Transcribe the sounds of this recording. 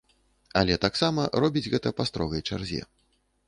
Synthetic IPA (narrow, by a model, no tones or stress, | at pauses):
alʲɛt̪aksamɐɾɔbʲid͡zʲɣɛt̪ɐpɐst̪ɾɔɣɐjt͡ʂarzʲɛ̰